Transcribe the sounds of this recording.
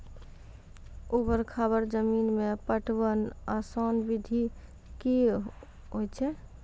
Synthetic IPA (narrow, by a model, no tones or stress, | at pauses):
ubəɾkʰabəɾd͡ʒəminmepəʈʰbənasɔnbid̪ʱi | ki | ɦojt͡ʃʰɛ